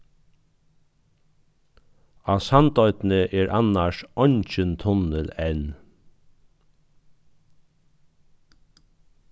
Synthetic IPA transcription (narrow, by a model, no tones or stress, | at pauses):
ɑːsɑnt̪ɔʏt̪nəʔeːɹʔɑnɑʃɔnc͡çənt̪ʰɔnəlɛn